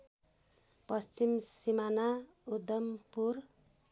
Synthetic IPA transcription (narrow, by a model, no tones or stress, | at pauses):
pʌst͡ʃimsimana | ud̪ʌmpur